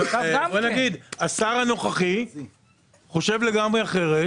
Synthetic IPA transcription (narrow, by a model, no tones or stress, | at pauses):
enaɡid̪asaʁano̞χaχi | χo̞ʃe̞vle̞ɡamʁeaχe̞ʁe